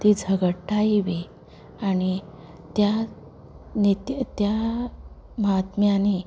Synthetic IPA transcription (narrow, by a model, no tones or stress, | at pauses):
t̪id͡zʱəɡəʈaiʋi | aɽ̃i | t̪ja | nit̪t̪ja | məɦat̪mjani